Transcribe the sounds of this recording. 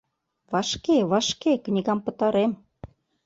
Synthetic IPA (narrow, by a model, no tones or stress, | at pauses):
βɑʃkeβɑʃkeknʲiɣɑmpə̆t̪ɑɾem